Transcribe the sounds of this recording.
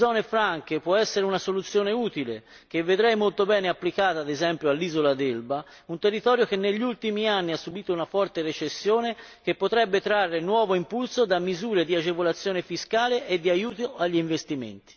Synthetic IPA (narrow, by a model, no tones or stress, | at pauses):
zɔːnefɾaŋk̟epwɔɛsːeɾeunasolut̪sːjoːneuːt̪ilḛ | k̟evːed̪ɾɛjmolt̪obɛːneapːlikaːt̪aːd̪ezɛmpjoalːiːzolad̪elba | unt̪erːit̪ɔːɾjok̟enːeʎːiult̪imianːiasːubiːt̪ounafɔrt̪eɾet͡ʃesːjoːnek̟epːot̪ɾɛbːet̪ɾarːenwɔːvoimpulsod̪amːizuːɾed̪iad͡ʒevolat̪sjoːnefiskaːleʔːd̪ːiajuːt̪oaʎːiiɱvest̪imḛnt̪i̥